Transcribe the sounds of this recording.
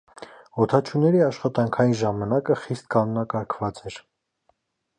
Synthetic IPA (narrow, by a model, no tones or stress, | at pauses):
ɔt̪ʰɑt͡ʃʰunːɛɾiɑʃχɑt̪ɑŋkʰɑjinʒɑmɑnɑkəχist̪̚kɑnɔnɑkɑɾkʰvɑt͡sɛɾ